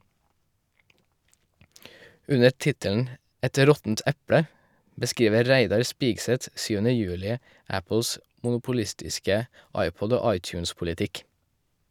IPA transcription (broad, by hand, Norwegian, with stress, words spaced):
ˈʉnə ˈtɪtəln̩ ˈɛt ˈɾɔtn̩t ˈɛpɽə bəˈskɾiːʋə ˈɾæɪdɑɾ ˈspiːɡsɛt ˈsyːʋənə ˈjʉːlɪ ˈæpl̩s mʊnʊpʊˈlɪstɪskə ˈɑɪˌpɔd ˈoː ˈɑɪˌtjʉːnspʊlɪˌtɪk